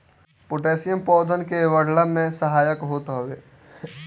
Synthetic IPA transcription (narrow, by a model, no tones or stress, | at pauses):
pʊʈeːsijəmpɔːd̪ʱənkeʋəɽ̤ləmẽsəɦaːjəkɦoːt̪ɦoʋeː